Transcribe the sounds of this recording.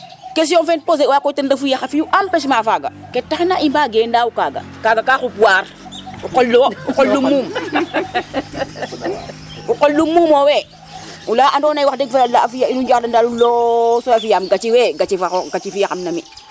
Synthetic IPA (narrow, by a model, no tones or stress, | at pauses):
kɛs̬jɔnfɛn̚pos̬ewakɔtɛndafujaxafijuʔampɛs̬maːfaːɡa̰kɛtːaxnaʔimbaːɡendawukaːɡa̰ | kaːɡakaːxupuwaːɾ | uqɔlːɔuqɔlːumːuːm | uqɔlːumːuːmɔwɛ | ulaːʔandɔːnajwaxdɛɡ̚fealaafijainud͡ʒaxdandalulɔːsɔafijamɡat͡ʃiwɛːɡat͡ʃifaxɔɡat͡ʃifijaxamnɐmi